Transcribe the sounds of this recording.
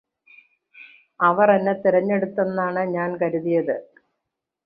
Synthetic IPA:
ɐʋɐrenːet̪iɾɐɲːe̞ɽut̪ːe̞nːaːɳɨɲaːnkɐɾuðijɐðɨ

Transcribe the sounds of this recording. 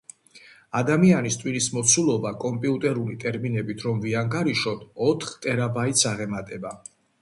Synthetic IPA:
ad̪amianist̪ʼwinismɔt̪sʰulˠɔbakʼɔmpʼiut̪ʼɛɾulit̪ʼɛɾminɛbit̪ʰɾɔmviaŋɡaɾiʃɔt̪ʰɔt̪ʰχt̪ʼɛɾabait̪sʰaʁɛmat̪ʼɛba

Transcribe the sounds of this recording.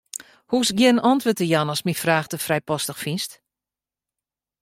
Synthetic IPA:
husɡjiənɔntʋøtəjanɔsmifraːxtəfrɛjpɔstəxfinst

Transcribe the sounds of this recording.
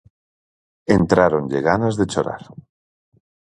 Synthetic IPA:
ent̪ɾaɾond͡ʒeɣanazðet͡ʃoɾa̰ɾ

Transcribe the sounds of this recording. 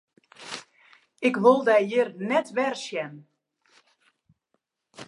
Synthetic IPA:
ɪkʋolˠdɛjjɪrnɛtʋɛrsjɛn

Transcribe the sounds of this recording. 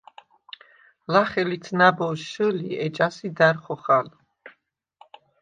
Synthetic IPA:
laχɛlit̪ʰnabɔʃʃəliɛd͡ʒasid̪aɾχɔχal

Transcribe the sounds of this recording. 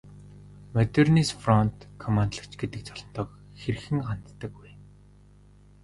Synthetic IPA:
mɔt̪ʲerniːsfrɔnt̪kʰɔmant̪ɮə̆kt͡ɕɡet̪ɘ̆k̚t͡sɔɮɞ̆nt̪ɔːk | xer̆xɘ̆ŋɢan̥t̪ːə̆kːuj

